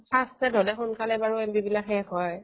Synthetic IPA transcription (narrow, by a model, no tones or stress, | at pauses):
pʰastɛdʱɔlɛxʊnkalɛbaɹuembibilakɛkɔj